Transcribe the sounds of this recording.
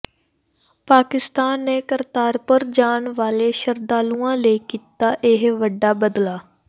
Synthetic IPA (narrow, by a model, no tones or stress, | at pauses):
paːkɪst̪aːnːeːkəɾt̪aːɾpəɾd͡ʒaːɳʋaːleːʃəɾd̪aːlũːãːləiːkiːt̪aːʔɪɦʋəɖːaːbəd̪laː